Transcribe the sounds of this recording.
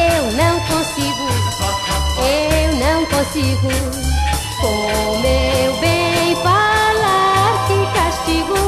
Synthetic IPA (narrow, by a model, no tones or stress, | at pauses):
ewnɐ̃w̃kõsiɡʊ | ewnɐ̃w̃kõsiɡʊ | kõmewbẽj̃falaɾkɪkaʃt͡ʃiɡu